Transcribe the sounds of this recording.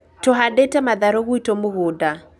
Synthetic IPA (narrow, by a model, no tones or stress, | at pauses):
tɔɦadetɛmaðaɾɔɣuitomʊɣʊda